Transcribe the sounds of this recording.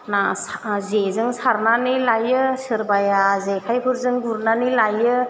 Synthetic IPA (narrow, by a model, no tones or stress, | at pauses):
nazezɯŋsaɾnanilajɯsɯɾbajazekʰajbʰɯɾzɯŋɡuɾnanilajɯ